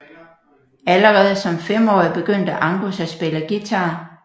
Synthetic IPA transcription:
æləʁɛːð̞̩ˠsɒ̽mfem̰ɒ̰ːib̥e̝ɡ̥øn̰d̥əʔɑ̈ŋɡ̥usæsb̥e̝ləɡ̥it͡sʰɑ̈ː

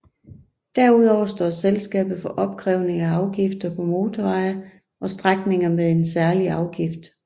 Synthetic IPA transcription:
d̥æɐuð̞̰ˠɒʊ̰ɐsd̥ɒ̰ːselsɡ̥ɛ̰ːb̥ð̩ˠfɒ̽ʔɒ̽b̥̚kʰʁɛʊne̝ŋæɑ̈ʊɡ̥ifd̥ɐpʰɒ̽mo̝ːt͡sʰɒʋɑ̈ɪɐ | ʔɒ̽sd̥ʁaɡ̥ne̝ŋɐmeðˠe̝nsæɐliɑ̈ʊɡ̥ifd̥

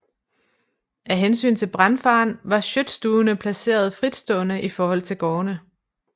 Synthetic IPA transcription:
ʔæɦensy̰ːnt͡sʰe̝lb̥ʁɑnfɑ̰̈ːnʋɑ̈ɕød̥sd̥uːnəpʰlæse̝̰ːɐð̞ˠfʁid̥sd̥ɔ̽ːnəʔifɒːhɒ̽l̰t͡sʰe̝lɡ̥ɒːnə

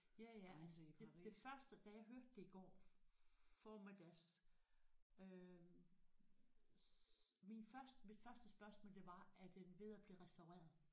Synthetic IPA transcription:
jæjæælsd̥e̥e̝fɶɐsd̥əd̥æjɑ̈ɪɦøɐd̥ːe̝iɡ̥ɒ̰ː | fɒmed̥æɐs | ø | minfɶɐsd̥əmid̥fɶɐsd̥əsb̥ɶɐsmɔ̰ːld̥e̝ʋɑ̈æd̥enʋe̝ðˠæb̥liːʁɛsd̥ɑ̈ʊʁḛːɐðˠ

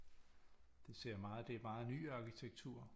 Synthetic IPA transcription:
d̥e̝se̝ɐ̰mɑ̈ːð̩ˠd̥e̝æɐmɑ̈ːð̩ˠny̰ːɑ̈kʰit͡sʰeɡ̥t͡sʰuɐ̰

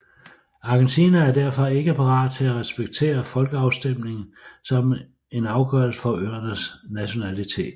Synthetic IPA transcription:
ɑ̈ɡ̥ent͡sʰiːnææɐd̥æɐ̰fɒ̽e̝ɡ̥əpʰɑ̈ʁɑ̈ːd̥̚t͡sʰe̝læʁɛsb̥eɡ̥̚t͡sʰe̝̰ːɐfɒ̽lɡ̥əɑ̈ʊsd̥em̰ne̝ŋn̩sɒ̽m | e̝nɑ̈ʊɡ̥œɐ̰l̩səfɒ̽ʔøɐnəsnæɕo̝nælit͡sʰe̝̰ːd̥

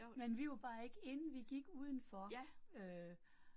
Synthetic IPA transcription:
menʋiʋɑ̈b̥ɑ̈ːe̝ɡ̥əe̝nn̩ʋiɡ̥iɡ̥uːð̞ˠn̩fɒø

